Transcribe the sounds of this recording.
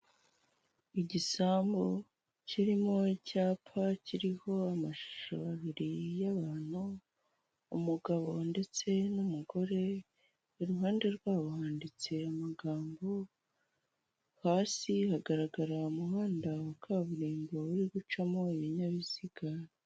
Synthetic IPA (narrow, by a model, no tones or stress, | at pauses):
iɟisaːmbo | cʰiɾimo̞icaːpʰaciɾiho̞amaʃu̥ʃaβaβiɾijaβaːn̥huː | muɡaβo̞nde̞t͡se̞numuɡo̞ɾe̞ | iɾuɦaːnde̞ɾɡwaːβo̞haːndit͡se̞amaɡaːmbo̞ | haːsihaɡaɾaɡaɾaumuɦaːndawakʰaːβuɾiːmbo̞βuɾiɡut͡ʃamo̞iβiɲaβiziɡaɾ